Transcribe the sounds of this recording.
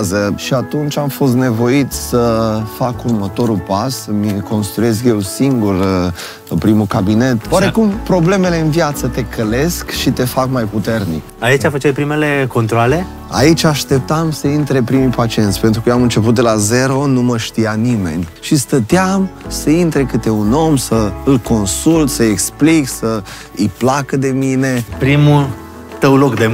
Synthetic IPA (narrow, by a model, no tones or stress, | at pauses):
zəʃiat̪unt͡ʃʲamfo̞s̬t̪ne̞vo̞it̪sʲsəfakurmət̪o̞ɾulpasəmiko̞nst̪ɾue̞skje̞wsiŋɡur | pɾimukabine̞t̪oaɾe̞kumpɾo̞ble̞me̞le̞ɨnvjat̪sət̪e̞kʰəle̞skʃit̪e̞fakmajput̪e̞rnḭkait͡ʃʲafət͡ʃajpɾime̞le̞ko̞nt̪ɾoale̞ | a̰it͡ʃʲaʃt̪e̞p̚t̪amsəint̪ɾepɾimijpat͡ʃie̞nt̪sʲpe̞nt̪ɾukəjoamɨnt͡ʃe̞p̬ut̪̚d̪elaze̞ɾo̞numəʃt̪ijanime̞̰nʲʃist̪ət̪eamsəint̪ɾekɨt̪e̞uno̞msəɨlko̞nsult̪səekspliksə | ɨjplakəd̪e̞mine̞pɾimu | t̪əwlokd̪e